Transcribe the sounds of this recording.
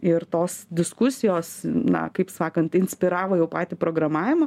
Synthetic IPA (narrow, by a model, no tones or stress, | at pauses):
ɪrt̪oːsd̪ʲɪskʊsʲɪjoːsnɐ̰kɐɪpsɑːkɐnt̪ɪnʲsʲpʲɪɾɑːʋoːjɛʊpɑːt̪ʲɪpɾoːɡɾɐmɑːʋʲɪmɐ